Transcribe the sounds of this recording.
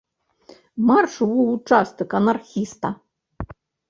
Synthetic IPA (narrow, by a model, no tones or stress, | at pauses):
marʂɨwut͡ʂast̪ɨkɐnarxʲist̪ɐ